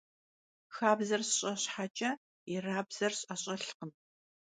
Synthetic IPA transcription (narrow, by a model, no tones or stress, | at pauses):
xaːbzɐrsɕʼɐɕħat͡ʃʼɐ | ɪraːbz̥ɐrɕʼɐɕʼɐɬqən